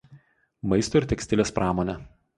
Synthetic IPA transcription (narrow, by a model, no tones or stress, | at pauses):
mɐɪst̪oːɪɾt̪ʲɛksʲt̪ʲɪlʲeːspɾʔɑːmoːnʲɛ